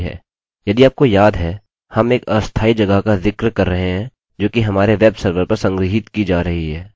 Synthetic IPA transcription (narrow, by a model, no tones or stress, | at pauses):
ɦɛ̰ː | jɐd̪iaːp̚kojaːd̪ɦɛ | hɐmeːkɐst̪ʰaːid͡ʒɐɡəkazɪkɾkɐɾːɐɦẽɦɛ̃ | d͡ʒoːkiɦɐmaːɾeʋɛːbsɐɾʋəɾpɐɾsɐ̃ŋɡɾɪɦɪt̪kid͡ʒaːɾɐɦiɦɛː